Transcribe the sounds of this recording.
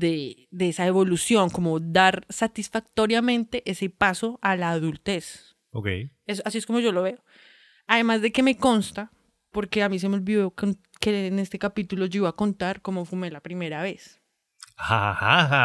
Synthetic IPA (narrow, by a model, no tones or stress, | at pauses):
d̪e | d̪eesaeβo̞lusjo̞ŋko̞mo̞d̪aɾsat̪isfak̚t̪o̞ɾjamẽ̞nt̪e̞ʔe̞se̞paso̞ʔalaːðult̪e̞s | okḛjesoasiesko̞mo̞ʝo̞lo̞βe̞o | aðe̞mazd̪e̞ke̞me̞ko̞nst̪a | po̞ɾke̞amis̬e̞meo̞lbiðo̞kon | kene̞st̪e̞kapit̪ulo̞d͡ʒeɣo̞ako̞nt̪aɾkomo̞fume̞lapɾime̞ɾaβe̞s | ahahaa